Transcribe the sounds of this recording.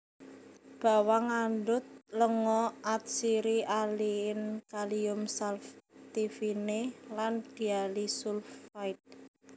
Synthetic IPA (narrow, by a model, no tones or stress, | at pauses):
b̥a̤waŋandʊt̪̚ləŋɔʔat̪̚siɾialiɪnkaliʊmsalft̪ifineland̪̥i̤alisulfait̪̚